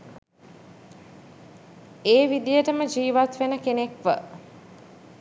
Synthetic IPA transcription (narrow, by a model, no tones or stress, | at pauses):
eːʋid̪ijəʈəməd͡ʒiːʋat̪ʋenəkenekʋə̰